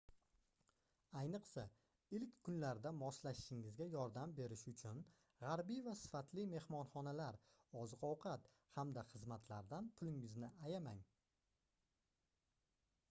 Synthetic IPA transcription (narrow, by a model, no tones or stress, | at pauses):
ajnɨqsa | ɪlkʲkʰːʊnlaɾd̪amɒslaʃɪ̥ʃɪŋɪzɡʲajɒɾd̪ambe̞ɾɪʃʊt͡ʃʰʊn | ʁaɾbijvasɪ̥fat̪ʰlɪme̞hmɒnχɒnalaɾ | ɒzɨqɒwqʰɑt̪ | hamd̪aχɨzmat̪ʰlaɾd̪anpʰʊlɪŋɪznɪajamaŋ